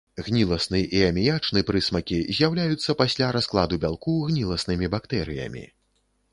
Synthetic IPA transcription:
ɣnʲilˠɐsnɨʔiɐmʲijat͡ʂnɨpɾɨsmɐkʲizʲjawlʲajut̪sːɐpasʲlʲaɾasklˠad̪ubʲalˠkuɣnʲilˠɐsnɨmʲibakt̪ɛɾɨjɐ̰mʲḭ

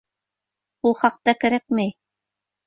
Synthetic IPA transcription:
ulˠχɑq̚t̪ɑkɘ̆ɾæk̚mæj

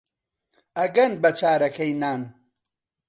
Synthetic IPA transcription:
ɐɡɐnbɐt͡ʃaːɾɐkʰɐjnaːn

